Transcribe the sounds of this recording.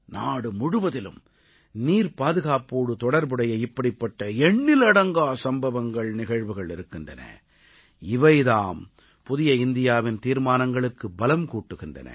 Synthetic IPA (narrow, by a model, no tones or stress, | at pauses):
naːɽɯmʊɽɯʋɐðɪlɯ̰m | niːɾpaːðɯɣaːpuːɽɯt̪ɔɽɐɾbɯɽɐjɐɪpːɐɽɪpːɐʈːɐɛɳːɪlɐɽɐŋɡaːsɐmbɐʋɐŋɡɐɭnɪɣɐɻʋɯɣɐɭɪɾɯkːɪndrɐnɐ̰ | ɪʋɐɪðaːm | pʊðɪjɐɪnd̪ɪjaːʋɪnt̪iːɾmaːnɐŋɡɐɭɯkːɯbɐlɐmkuːʈːɯɣɪndrɐ̰nɐ̰